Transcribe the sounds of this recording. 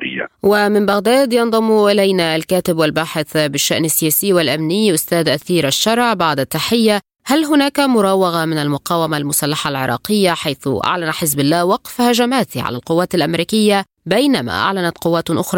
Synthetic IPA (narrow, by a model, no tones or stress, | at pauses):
wɪmɪmbaɣd̪aːd̪jɑnðˤɑmʔɪlajnalkaːt̪ɪbwɪlbaːħɪθbɪʃːaʔnasːɪjaːsɪːwɪlʔamnɪjːʔʊst̪aːd̪ʔaθiːɾʔaʃːɑɾˤʕbaʕd̪at̪ːaħɪjːa | halɦʊnaːkamʊɾˤɑːwɑɣamɪnalmʊqɑːwamalmʊsalːaħalʕɪ̰ɾˤɑ̰ːqɪjːaħajθʊ̰ʔa̰ʕlanaħɪzbɪlːaːhwɑqfhaʒamaːt̪ʕa̰la̰lqʊwːaːt̪alʔamɾiːkɪjːa | bajnama̰ʔa̰ʕlanat̪qʊwːaːt̪ʔʊxɾˤɑː